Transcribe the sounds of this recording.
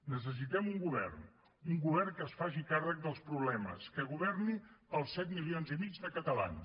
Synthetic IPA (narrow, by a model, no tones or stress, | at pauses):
nəs̬əs̬it̪ɛmuŋɡuβɛ̰rn | uŋɡuβɛrnkəːsfaʒikarək̚d̪əlˠspɾuβlɛmə̰skəɣuβɛrniəlˠsɛt̪milionzimid͡ʒðəkət̪əla̰n